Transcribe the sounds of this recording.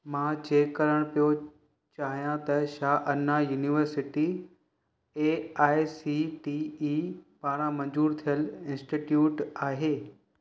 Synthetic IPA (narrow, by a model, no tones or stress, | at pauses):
mãːt͡ɕeːkːɐɾəɽ̃pijo | t͡ɕaːɦijãt̪ɐʃaːʔɐnajuːniʋəɾsɪʈi | eaːjsiʈiːiːpaːɽ̃ãmɐ̃ɲd͡ʑuːɾt̪ʰijəlɪ̃nsʈiʈjuːʈaːɦeː